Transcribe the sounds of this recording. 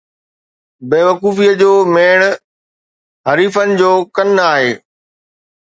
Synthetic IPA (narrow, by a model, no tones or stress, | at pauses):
beːʋəkuːfiəd͡ʑoːmeːɽ̃ | ɦɐɾiːfənɪ̆d͡ʑoːkɐnaːɦeː